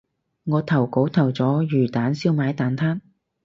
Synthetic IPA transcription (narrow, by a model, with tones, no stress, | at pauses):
ŋɔː˨˧t̪ʰɐ˨˩wko˨˥wt̪ʰɐ˨˩wt͡sɔː˨˥jyː˨˩t̪aː˨˥nsiː˥wmaː˨˥jt̪aː˨˥nt̪ʰaː˥n